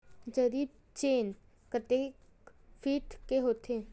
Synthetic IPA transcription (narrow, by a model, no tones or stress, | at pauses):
d͡ʒɐɾiːb̚ | t͡ʃeːn | kət̪eːk | fiːʈkeɦoːt̪ʰeː